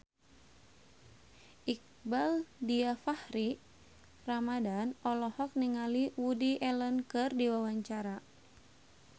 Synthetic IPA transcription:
ʔik̚baldiafahɾi | ramadanɔlɔhɔk̚niŋaliwudiʔɛlənkɨrdiwawaɲt͡ʃaɾa

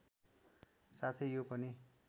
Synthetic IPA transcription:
sat̪ʰʌjjopʌni

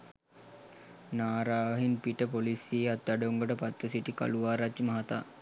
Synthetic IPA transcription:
naːɾaːʋɐɦinpiʈəpolisieat̪̚ːaɖəuŋɡəʈəpat̪ʋəsiʈika̰luʋaːɾat͡ʃːmɐɦat̪a̰ː

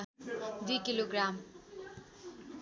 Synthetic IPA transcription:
d̪ikiloɡɾam

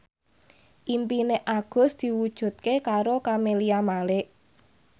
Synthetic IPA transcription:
ʔimpineʔaɡ̥ʊ̤sd̪̥i̤wud̥ʒ̥ṳt̪̚kekaɾokameliamalɪʔ

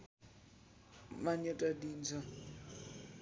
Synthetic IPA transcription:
maɲɛtʼadiːnd͡zʱa

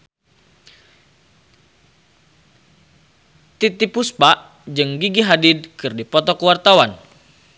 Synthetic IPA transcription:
t̪it̪ipuspaʔ | d͡ʒɨŋɡiɡiɦadid̚kɨrdipɔt̪ɔkəwart̪awan

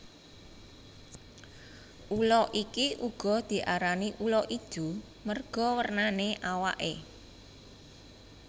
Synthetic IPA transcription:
ʔulɔʔikiʔuɡ̥ɔ̤d̪̥i̤ʔaɾaniʔulɔʔi̥d̥ṳ | mərɡ̥ɔ̤wərnaneʔawa̰ʔe

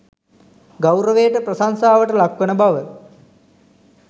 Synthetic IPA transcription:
ɡawɾəʋejəʈəprəsansaːʋəʈəlakʋənəbaʋə

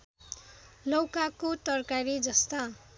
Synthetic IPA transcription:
lʌwkakot̪ʌrkaɾid͡zʌst̪a

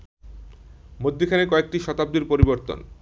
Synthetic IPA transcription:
mod̪ʱːikʰanekɔek̚ʈiʃɔt̪ab̚d̪iɾpoɾiboɾt̪o̰n

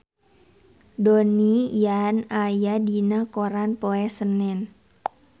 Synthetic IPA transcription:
donijanajadinakoɾanpoɛsənɛn

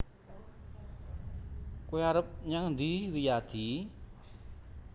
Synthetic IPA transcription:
koiaɾəp̚ɲaŋnd̪iwijad̪̥i

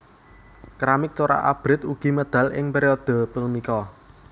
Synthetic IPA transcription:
kɾamɪk̚t͡ʃoɾa̰ʔa̰b̥ɾɪt̪uɡ̥i̤məd̪̥a̤lɪŋpeɾeɔd̪̥ɔ̤pənikɔ

